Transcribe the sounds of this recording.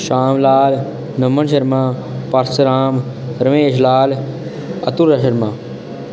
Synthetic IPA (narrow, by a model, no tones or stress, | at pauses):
ʃaːmlaːl | nəmənʃəɾmãː | pɐɾsɾaːm | ɾəmeːʃlaːl | ɐ̰t̪uɾɐʃəɾmãː